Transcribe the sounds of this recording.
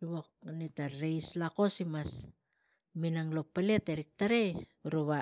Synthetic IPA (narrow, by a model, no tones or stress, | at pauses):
βok̚nitaɾejslako̞simas | minaŋlopːaleteɾik̚taɾeuɾuβa